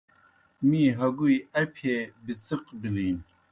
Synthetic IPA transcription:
miːɦɐɡujɐpʰeːbɨt͡sɨqbiliːn

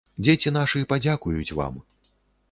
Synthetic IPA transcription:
d͡zʲet͡sʲinaʂɨɛpad͡zʲakujut͡sʲva̰m

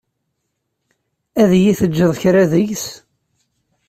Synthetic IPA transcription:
æðjiθəd͡ʒːəðˤçɾæðəʝs

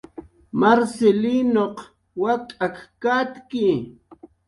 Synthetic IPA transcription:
maɾselinoq | wat̪ʼakkat̪kɪ

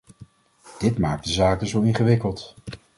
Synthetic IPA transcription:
d̥ɪtmaːk̚dəzaːkəzowɪnχəʋɪkəlˠt

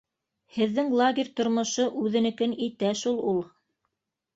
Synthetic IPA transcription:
hɘ̆ðːɘŋlˠaɡʲɪ̆rʲt̪ŏɾmŏʃɤʔʉðɘ̆nɘ̆kɘnit̪æʃulˠulˠ

